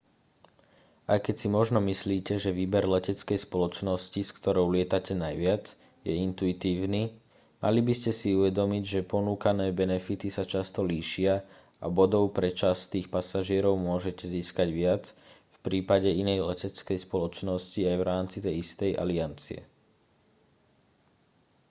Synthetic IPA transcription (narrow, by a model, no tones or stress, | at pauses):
ajkɛcsimɔʒnɔmisliːcɛʒɛʋiːbɛɾlɛcɛt͡skɛjspɔlɔt͡ʃnɔsciskt̪ɔɾɔʊlɪɛt̪acɛnajʋɪad͡z | jɛint̪uit̪iːʊniː | mʔa̰libiscɛsiuʋɛd̪ɔmiɟʒɛpɔnuːkanɛːbɛnɛfit̪isat͡ʃast̪ɔliːʃɪa | a̰bɔd̪ɔʊpɾɛt͡ʃast̪iːxpasaʒɪɛɾɔʊmʊɔʒɛcɛziːskaɟʋɪad͡z | fpɾiːpaɟɛinɛjlɛcɛt͡skɛjspɔlɔt͡ʃnɔsciajʋɾaːmt͡sit̪ɛjist̪ɛja̰liant͡siɛ̰